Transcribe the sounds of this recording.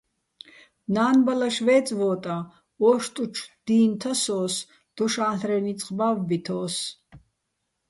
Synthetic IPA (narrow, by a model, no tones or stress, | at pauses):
naːnbalaʃvɛːt͡sʼvɔːt̪ʼa | ɔʃt̪ʼut͡ʃʰd̪̥iːnt̪ʰasɔːs | d̪̥ɔʃaːɬɾɛnit͡sʼqʼbavːit̪ʰɔːs